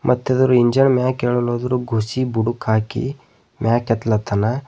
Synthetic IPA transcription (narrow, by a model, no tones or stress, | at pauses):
mʔɐt̪ːɐd̪ɐɾuiɲd͡ʒɐɳmaːkeːɭɔloːd̪ɾuɡʱusibuɽukʰaːkḭ | mʲaːkɛt̪lɐt̪ʰɐna